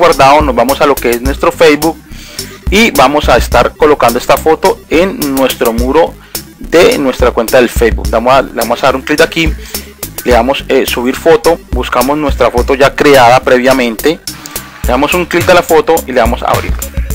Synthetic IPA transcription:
waɾd̪aono̞zbamo̞salo̞ke̞e̞znwe̞st̪ɾo̞fejzbuk̚ | ibamo̞saest̪aɾko̞lo̞kand̪oe̞st̪afo̞t̪o̞enːwe̞st̪ɾo̞muɾo̞ | ðenwe̞st̪ɾakwe̞nt̪aðe̞lfejzbṵkd̪amoleβamosaβaɾuŋklit̪aki | leamo̞sesuβ̞iɾfo̞t̪o̞buskamo̞znwe̞st̪ɾafo̞t̪o̞ʝakɾeaðapɾe̞βjamẽ̞nt̪e̞ | leamo̞suŋklit̪̚alafo̞t̪o̞ʔileβamo̞sa̰βɾḭɾ

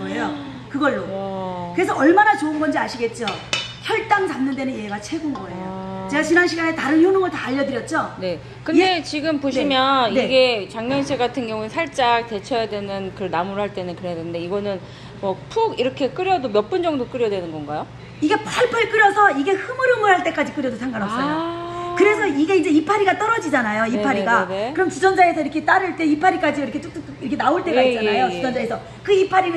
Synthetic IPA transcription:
ejo | kɯɡʌɭːokɯɾesʰʌʌɭmanat͡ɕoɯnɡʌnd͡ʑiaɕʰiɡe̞t̚t͡ɕ͈oçjʌɭt͈aŋt͡ɕamnɯndwenɯnjeeɡat͡ɕʰe̞ɡunɡʌe̞̰jot͡ɕe̞ɡat͡ɕinanɕʰiɡanetaɾɯnçjonoŋɯɭtaːʎːʌdɯɾjʌt̚t͡ɕ͈one̞ | kɯnde̞t͡ɕiɡɯmpoɕʰimjʌniɡe̞t͡ɕaŋɲʌnsʰeɡatʰɯnɡjʌŋuesʰaɭt͡ɕ͈aɡ̚te̞t͡ɕʰʌjadwe̞nɯnkɯɾʌɭnamuɾɯɭhaɭt͈e̞nɯnkɯɾejadennde̞iɡʌnɯn | mʌpʰuɡiɾʌkʰe̞k͈ɯɾjʌdomjʌp͈ɯnd͡ʑʌŋdok͈ɯɾjʌdwe̞nɯnɡʌnɡajo | iɡe̞paɭpʰɯɭk͈ɯɾjʌsʰʌiɡe̞hɯmɯɾɯŋɯɭhaɭt͈e̞k͈ad͡ʑik͈ɯɾjʌdosʰaŋɡanʌs͈ʌjokɯɾe̞sʰʌiɡe̞ind͡ʑe̞ipʰaɾiɡat͈ʌɾʌd͡ʑid͡ʑanajoipʰaɾiɡanekɯɾʌmt͡ɕid͡ʑʌnd͡ʑae̞sʰʌiɾʌkʰe̞t͈aɾɯɭt͈e̞ipʰaɾik͈ad͡ʑiiɾʌkʰet͡ɕ͈okt͈ɯkt͈iɾʌkʰe̞naoɭt͈ekad͡ʑanajoid͡ʑʌnd͡ʑaesʰʌ | kɯipʰaɾinɯ

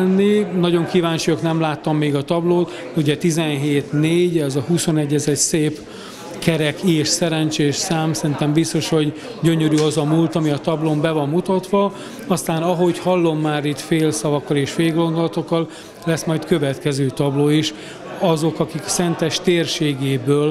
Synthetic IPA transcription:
nːinɒɟo̞ŋkiːvaːɲt͡ʃujɒknɛmlaːt̪ːɒmːeːɡɒt̪ɒbloːt̪ | uɟɛt̪izɛnɦeːt̪neːɟɛzɒhuso̞nɛɟːɛzɛcseːp | kɛɾɛkeːʃsɛɾɛnt͡ʃeːʃsaːmsɛɾint̪ɛmbist̪o̞ʃho̞ɟ | ɟø̞ɲø̞ɾyɒzɒmult̪ɒmiɒt̪ɒblombɛvɒmːut̪ɒt̪ʋɒ | ɒst̪aːnɒɦo̞chɒlːo̞mːaːɾit̪feːlsɒvɒkːɒleːʃfeːɡo̞nd̪o̞lɒt̪o̞kːɒl | lɛsmɒjt̪kø̞vɛt̪kɛzøːt̪ɒbloːiʃ | ɒzo̞kɒkiksɛnt̪ɛʃt̪eːrʃeːɡeːbøːl

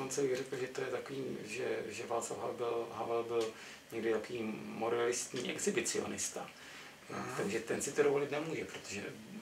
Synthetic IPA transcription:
ont͡sɛɪɡrɛkl̩ʒɛt̪ojɛt̪akoviːʒɛ̰ʒɛvaːt͡slafɦabɪlɦavɛlbɪl | ɲɛɡdɪt̪akoviːmoɾɛalɪst̪ɲḭːʔɛɡzɪbɪt͡sɪo̰nɪst̪a | o̰t̪aɡʒɛt̪ɛnsɪt̪oɾovolɪt̪nɛmuːʒɛpɾot̪oʒɛ̰

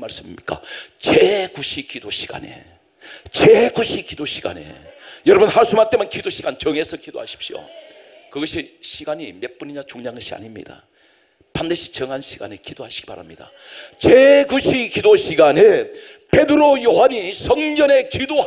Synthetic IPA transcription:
maɭs͈ɯmḭmɲik͈a̰t͡ɕekuɕʰikidoɕʰiɡ̥a̰ne̞̰ | t͡ɕekuɕʰikidoɕʰiɡa̰ne̞̰jʌɾʌbunhaɭs͈ʰumaɭt͈emɯnkidoɕʰiɡ̥ant͡ɕʌŋe̞sʰʌkido̰ha̰ɕʰi̥pɕ͈io̰kɯɡʌɕʰiɕʰiɡaɲime̞p͈uɲiɲat͡ɕoŋɲaŋɡʌɕʰia̰ɲimɲḭda̰ | pandɯɕʰi̥t͡ɕʌŋɦanɕʰiɡ̥a̰ne̞kidoɦaɕʰi̥ɡipa̰ɾa̰mɲid̥a̰ | t͡ɕekuɕʰikidoɕʰiɡane | pe̞dɯɾojoɦaɲisʰʌŋd͡ʑʌne̞kido

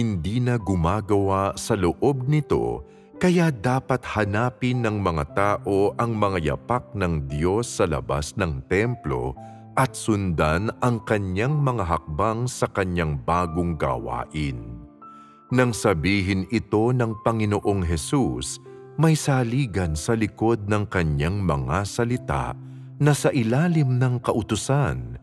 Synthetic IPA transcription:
hɪnd̪iːnɐɡʊmaːɡɐwasɐloʔo̞b̚nɪt̪o̞̰ | kɐjad̪aːpɐt̪̚hɐnaːpɪnːɐŋmɐŋa̰t̪aːʔo̞ʔɐŋmɐŋajɐ̰pak̚nɐŋd̪jo̞sːɐlɐ̰ba̰snɐŋt̪ɛmplo̞̰ | ʔɐt̪̚sʊnd̪anɐŋkɐɲːaŋmɐŋaɦɐk̚baŋsɐkɐɲaŋbaːɡoŋɡa̰wa̰ːʔɪn | nɐŋsɐbiːɦɪnʔɪt̪o̞nɐŋpɐŋɪnoʔo̞ŋɦɛsus | mɐjsaliːɡɐnsɐlɪko̞d̪̚nɐŋkɐɲːaŋmɐ̰ŋasɐlɪt̪a̰ʔ | nɐsɐʔɪlaːlɪmnɐŋkɐʔʊt̪ʊsan

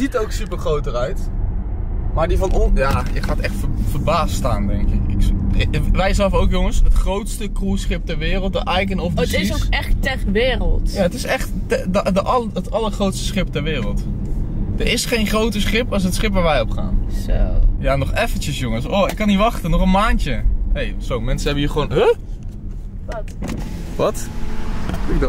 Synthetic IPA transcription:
zitowksypəɹχrowtərœɥt | maːɹdivɑnɔjaːjəχaːətɛχtfəfəɹbaːstaːndɛŋkɪkɪ̰k | ʋɛjzɛlˠfowkjoŋəsɦətχrowtstəkruːsχɪp̚tɛɹʋɪːrəlˠt̚dəʔajk̬ənɔfəsɪsoɛχtɛχʋɪːrəlˠtjaːətɪsɛχt | ddəʔɑətɑləɹχrowtstə̥sχɪp̚tɛɹʋɪːrəlˠt | d̥əɹɪsχejnχrowtəsχɪpɑs̬ɦətsχɪpʋaːɹʋɛjɔpχa̰ːnsojaːnɔχɛfəntəsjʊŋəsɔɪkːɑnitʋɑχtənɔχənmaːntəejz̥owmɛnsəɦɛbəiːχʋoːnɦə | tʋɑt | ɪ

